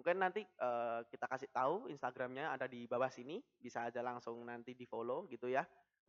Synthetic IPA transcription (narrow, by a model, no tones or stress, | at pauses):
muŋkɪnːant̪iəːkit̪akasɪʔt̪auinst̪aɡɾamɲaːdadibabasini | bisaːd͡ʒalaŋsʊŋnant̪idifoloɡit̪uja